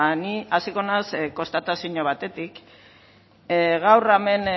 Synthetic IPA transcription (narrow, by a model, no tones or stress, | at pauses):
niasiko̞nasko̞st̪at̪asiɲoβat̪e̞t̪ik | ɣawrame̞n